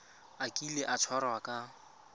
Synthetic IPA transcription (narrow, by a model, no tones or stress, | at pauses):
akʼileʔat͡sʰwaɾɔakʼa